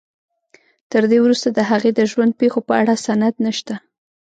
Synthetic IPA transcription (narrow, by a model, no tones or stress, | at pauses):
t̪əɾd̪ewɾust̪ad̪əɦaɣed̪əʒwand̪̚pexopəaɽasanad̪nəʃt̪a